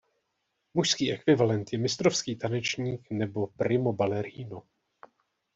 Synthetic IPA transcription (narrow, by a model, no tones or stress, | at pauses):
muʃskiːʔɛkvɪvalɛnt̪jɛmɪst̪ɾo̞fskiːt̪anɛt͡ʃɲiːknɛbo̞pɾɪmo̞balɛɾiːno